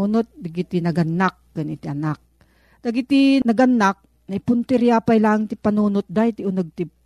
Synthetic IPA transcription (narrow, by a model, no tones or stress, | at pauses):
unot̪̚d̪ɪɡit̪inɐɡɐnːak̚ːɐnɪt̪iʔɐnak̚ | d̪ɐɡit̪inɐɡanːak̚ | nɐjpʊnt̪ɪɾijaːpajlaːŋt̪ɪpɐnuːnʊt̪̚d̪ajt̪ɪʔʊnoɡ̚t̪i